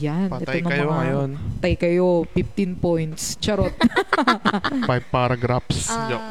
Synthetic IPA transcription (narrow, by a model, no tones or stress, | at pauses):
jantɛt̪onɐjmɐɐɐjont̪ɐjkɐjofɪft̪inpojnt̪st͡ʃɐɾot̪̚ | fajbpaɾɐɡɾafs